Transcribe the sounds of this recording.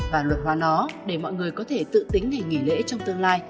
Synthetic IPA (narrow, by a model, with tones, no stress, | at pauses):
vaː˨˩lwə˨˩t̚hwaː˨˦nɔ˨˦ɗe˧˩mɔ̰˧˨jŋɨ˨˩əjkɔ˨˦t̪ʰe˧˩t̪ɨ̰˧˨t̪i˨˦ŋ̟ŋa˨˩jŋi˧˩lḛ˧˥t͡ɕɔ˧wŋ͡mt̪ɨ˧əŋlaː˧j